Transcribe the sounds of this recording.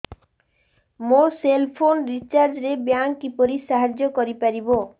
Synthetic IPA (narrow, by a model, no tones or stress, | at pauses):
moselpʰonɾit͡ɕaɾd͡ʑɾebjaŋkipoɾiʃaɦad͡ʑokoɾipaɾibo